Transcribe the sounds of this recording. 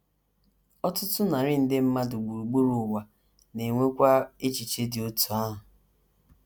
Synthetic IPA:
ɔ˦tʊ˦tʊ˦na˨ɾɪ˦n̩˦dɪ˦m̩˦ma˦dʊ˨ɡ͡bu˨ɾu˨ɡ͡bu˦ɾʊ˨wa˨ | ne˨ŋʷe˦kʷa˦e˦t͡ʃi˨t͡ʃe˦dɪ˨o˦tu˨a˦ɦʊ˨

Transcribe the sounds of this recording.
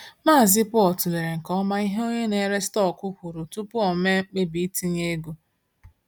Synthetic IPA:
maː˦a˨zɪ˦pʊ˦ɔ˨tu˨le˨ɾe˨ŋ̩˨kɔ˦ma˦i˦ɦe˦o˦ɲe˦ne˨˦ɾe˦stɔ˦˨kʊ˦kʷu˨ɾu˨tu˦pʊ˦ɔ˨me˦ŋ͡m̩˦k͡pe˦bi˨˦ti˦ɲe˦ɡu˦

